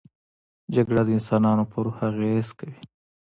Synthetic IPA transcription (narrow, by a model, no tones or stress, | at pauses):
d͡ʒaɡɽad̪əɪnsɑːnɑnopəɾuhaɣezkawi